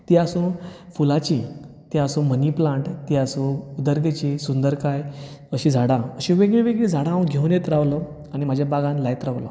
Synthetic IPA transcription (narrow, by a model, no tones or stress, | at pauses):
t̪iasũ | fulat͡ɕi | t̪iasũːməniplãɳʈt̪iasũud̪əɾɡet͡ɕisund̪əɾkajəɕid͡zʱaɽãəɕĩʋeɡɭiʋeɡɭiːd͡zʱaɽãʋɡʱewnjet̪ɾaʋlɔ | añim̤ad͡ʑʱjabaɡãnlajt̪ɾaʋlɔ